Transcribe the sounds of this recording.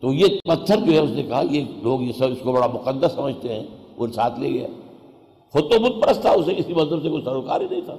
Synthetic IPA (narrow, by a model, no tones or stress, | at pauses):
t̪oːjepɐt̪ʰːəɾd͡ʒoːɦɛʊsnekɐɦajeloːɡjesɐbɪskobɐɽamʊqəd̪ːəsːɐməd͡ʒʱt̪eɦɛ̃ːʊsaːt̪ʰlieɡɐja̰ | xʊd̪̚t̪omʊt̪̚pɐɽəst̪ʰaʊsekɪsimɐzəbs̬ekosɐɾuka̰ːɾbinɐɦĩt̪ʰaː